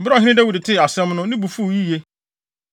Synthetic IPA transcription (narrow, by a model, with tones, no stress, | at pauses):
m̩˨bɾa˦˨ɦɪ̃˦ɪ̃˦dɛ˦wu˨dɪ˨tʰɪ˦˨a˨sɛ̃˦mnʊ̃˦nɪ̃˦bu˨fu˦˨ji˦˨je˦